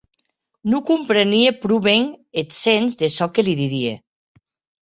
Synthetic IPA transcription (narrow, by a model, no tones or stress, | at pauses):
nukumpɾeniepɾuβeŋet̪senzðesɔkeliðiðiḛ